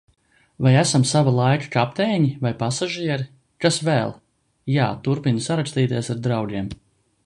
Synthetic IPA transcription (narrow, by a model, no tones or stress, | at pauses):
vajæsamsavalˠajkḁkap̚t̪ɛːɲivajpasaʒiɛɾi | kasvɛːlˠ | jaːt̪uɾpinsaɾakst̪iːt̪iɛsaɾd̪ɾawɡʲiɛm